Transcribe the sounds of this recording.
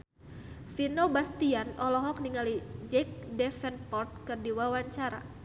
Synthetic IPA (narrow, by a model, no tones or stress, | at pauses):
finobast̪ianɔlɔɦɔk̚niŋalid͡ʒɛk̚dɛfɛnpɔrt̪̚kɨrdiwawaɲt͡ʃaɾa̰